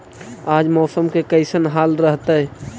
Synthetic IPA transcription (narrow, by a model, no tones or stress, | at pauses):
aːd͡ʒmɔːsəmkekəɪsənɦaːlɾəɦt̪eɦɛ